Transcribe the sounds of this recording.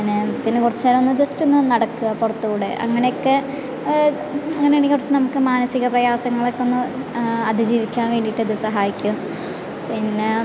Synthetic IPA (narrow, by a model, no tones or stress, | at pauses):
inepinːɨkurɐt͡ɕːeːlɐmonːɨd͡ʑɐstenːɨnɐɽɐkːuɣɐpurɐt̪ːuɣuːɽeʔɐ̰ŋːɐne̞jokːe̞ | ɐŋːɐneeɳikːurɐt͡ɕːɨnɐmukːɨmaːnɐsiɣɐprɐjaːsɐŋːɐɭo̞kːeo̞nːɨɐd̪ʱid͡ʑiːʋikʲːaːnʋe̞ːɳɖiʈːɨɐðɨsɐɦaːjikʲːu | pinːe